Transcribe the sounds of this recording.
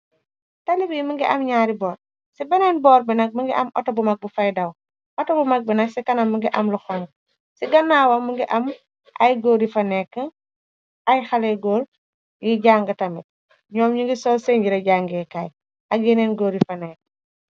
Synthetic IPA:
talibimiŋɡiʔɐmɲaːɾibɔːɾ | sibɛnɛnbɔːɾbinɐk̚miŋɡiʔɐmʔɔ̰tobumɐk̚bufajdɐw | ʔɔtobumɐk̚binɐksikɐnɐmːuŋɡiʔɐmluxɔn | siɡɐnːaːwɐmːuŋɡiʔɐm | ʔɐ̰jɡoːɾifɐnɛkːəŋ | ajxaleɡoːl | jiɟaːŋɡɐtɐmit̚ | ɲɔːmɲiŋɡisɔseɲɟiɾɐɟaːŋɡɛːkaːj | ʔɐɡ̚jinenɡoːɾifɐnɛːk

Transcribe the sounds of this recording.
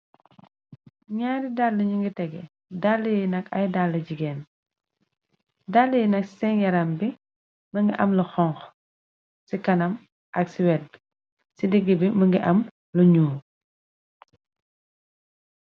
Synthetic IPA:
ɲaːɾidalːɐɲuŋɡitɛɡɛ | dalːəjnɐkɐjdalːɐɟiɡɛːn | dalːəjinɐksɛnjɐɾɐmbi | mɐŋɡiʔɐmlɐxɔŋx | sikɐnɐm | ʔɐksiwɛd̚ | sidiɡːəbimɐŋɡiʔɐm | luɲuː

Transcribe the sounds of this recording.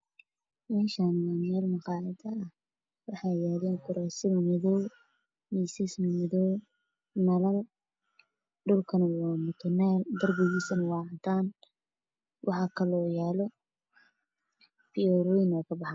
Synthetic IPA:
mɛːʃaːnwamɛːlmɑqɑːʕɪd̪ɐɐh | wɑħɑjaːlɛːŋkʰʊɾɛːsɪmɐmɪðɔw | miːsɪsmmɪðɔw | nɐlɐl | ɖʊlkʰɐnɐwaːmʊt̪ʰɔnɛːld̪ɐrbɛɣiːsɐnɐwɑːʕʊnt̪ʰaːn | wʔɑħɑːkʰɐlɔːjaːlɔ | pʰiɔɾɔjnɔːkʰɐbɑħɑn

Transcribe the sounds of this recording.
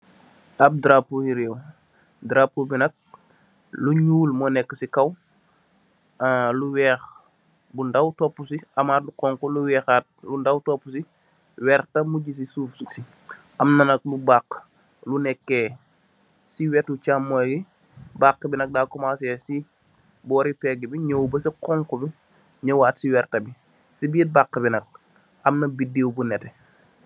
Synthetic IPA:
ʔɐp̚dɾapːujiɾɛw | dɾapːubinɐk̚ | luɲuːlmɔnɛkːəsikɐw | luwɛːx | bundɐwtɔpːusiʔɐmaːrduqɔːŋkuluwɛːxaːt̚lundɐwtɔpːusi | wɛːrtɐmuɟis̬isuːfsuksi | ʔɐmnɐnɐk̚lubak | lunɛkːɛː | siwɛtut͡ʃamːoɡi | bakːəbinɐk̚daːkɔmaːsɛsi | bɔːɾipɛɡibiɲowbɐsikɔːŋkɔbi | ɲɐwaːtsiwɛrtɐbi | sibiːt̚bakːəbinɐk̚ | ɐmnɐbideːwbunɛtɛ

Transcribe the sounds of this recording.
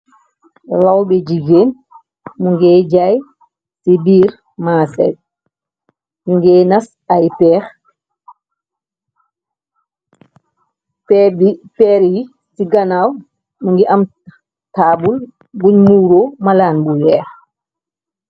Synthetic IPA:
lawbɛɟiɡeːn | muŋɡɛɟaj | tibiːɾ | maːsɛ̰t̚ | muŋɡɛːnɐs | ajpɛːx | pɛbipɛːɾji | tiɡɐnaw | muŋɡiʔɐm | taːbul | buɲmuːɾomalaːnbujɛːx

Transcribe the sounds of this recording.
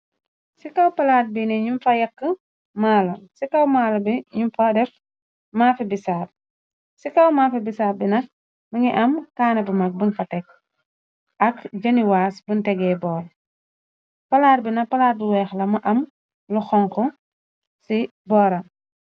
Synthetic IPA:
sikɐwpɐlaːt̚binɛɲumfɐjɐkːə | maːlɐsikɐwmaːlɐbiɲumfadɛf | maːfɛbisaːr̚ | sikɐwmaːfɛbisaːbinɐ | mɐŋiʔɐmkaːnɐbɐmɐk̚bunfɐtɛk̚ | ʔɐkd͡ʒɐniwaːsbuntɛɡɛbɔːɾ | pɐlaːt̚binɐpɐlaːt̚biwɛːxlɐmɐʔɐm | luxɔŋkɔ | si | bɔːɾɐ

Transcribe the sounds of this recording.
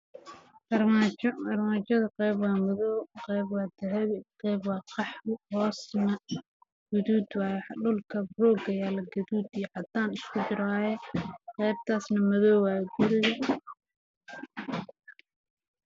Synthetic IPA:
ʔɐrmat͡ʃɔɐrmaːt͡ʃɐðɐqɛjbwɑːmʊðɔwqɛjbwɑːd̪ɐɦɛβɪqɛjbwɑːqɑħhɔːsnɐ | ɡ̥ʊðuːd̪waːjɛħɗʊlkʰɐbrɔːɡɐjaːlɐɡɐðuːd̪ɪjʕɑd̪aːnɪskʰʊd͡ʒɪɾaːjɛqɛjb̚t̪ʰaːsnɐmɐðɔːwwaɡʊɾɪjɐ

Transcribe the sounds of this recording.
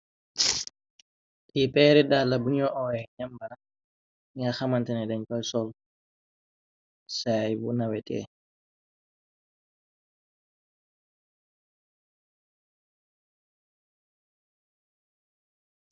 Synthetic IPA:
ʔipɛːɾɛdalːabunijɔʔɔɛɲambana | miaxamantɛnɛdɛɲkalsɔl | sajbunawɛtɛ̰ː

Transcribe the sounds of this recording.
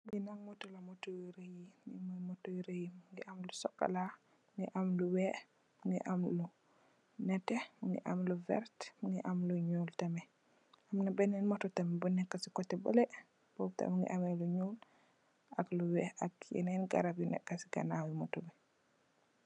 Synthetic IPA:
ŋɡinaŋmɔtɔlɐmɔtowiɾejiŋimumɔtowiɾejimuŋɡiʔamlusɔkːa̰la | ŋɡiʔamluwɛ | mŋɡḭʔamlu | nɛtɛmuŋɡḭʔamluvɛ̰ɾtmuŋɡiʔamluɲuːltɐmɛ | ʔɐmnɐbɛnɛnmɔtɔtɐmɛbunɛkːasikɔtːɛbɐ̰lɛ | b̥ɔbta̰mŋɡḭʔamɛluɲul | akluwɛʔakjɛ̰nɛnɡa̰ɾapjunɛ̰kːasi̥ɡɐ̰nawimɔtumɛ

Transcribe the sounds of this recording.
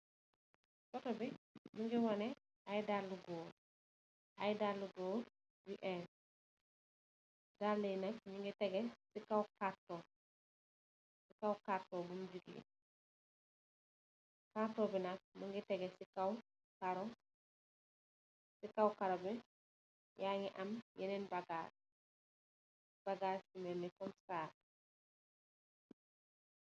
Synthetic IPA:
sɔtɔbimuŋɡiwɐnɛ | ajdalːuɡoː | ajdalːuɡoː | wiʔɛn | dalːinak̚ɲiŋɡitɛɡɛsikawkatːɔ | sikawkatːɔbumd͡ʒuɡḭn | katobinak̚muŋɡitɛɡesikaw | kaɾo | sikawkaɾobɛ | jaŋiʔamjɛnenbaɡaːɾ | b̥aɡaːɾsimenikɔmsaː

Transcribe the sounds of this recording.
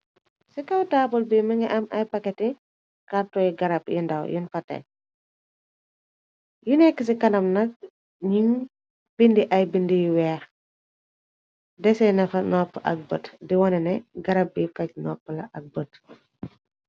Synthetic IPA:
sikɐwtaːbɔlbiməŋɛʔɐmɐjpɐkːɛti | kartɔjiɡɐɾɐpjindɐ̰wjinfɐtːɛ̰ | junɛkːəs̬ikɐnɐmnɐk̚ | ɲiŋ | b̥indiʔɐjbindijuwɛːɾ | dɛsɛnɛfɐnɔpːʔɐ̰k̚bə̰tdiwɔnɛnɛɡɐɾɐp̚bikɐc̚nɔpːəlɐʔɐk̚bət̚

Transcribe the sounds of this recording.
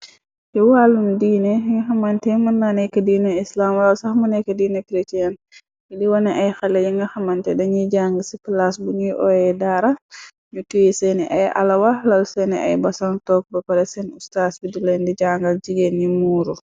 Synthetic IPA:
jiwalːumdiːnɛŋɡɐxɐmantɛmunːanɛjkɐdiːnɛislamlɔlsaxmunɛkadiːnɛkɾetian | idiwɔnɛʔajxalɛjiŋɡɐxɐmantɛdɐɲiɟaŋɡisipilasbuɲijʔɔjɛdaːɾa | ɲutujisɛnɛʔaja̰lawalɐlsɛnɛʔa̰jbɐsaŋtɔːk̚bɐpaɾɛsɛnustaːsbidulɛndid͡ʒaŋɡald͡ʒiɡenɲimuːɾu

